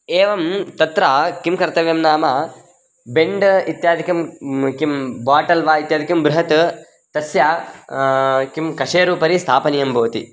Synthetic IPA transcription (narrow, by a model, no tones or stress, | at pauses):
eːʋɐmt̪ɐt̪ɾakimkɐɾt̪ɐʋjɐmnaːmɐ | beɳɖit̪jaːd̪ʱikɐmkimbaːʈɐlʋaːit̪jaːd̪ʱikɐmbɾuɦɐt̪ | t̪ɐsjaː | kimkɐʂeːɾuːpɐɾist̪ʰaːpɐnijɐmbʱoːt̪ḭ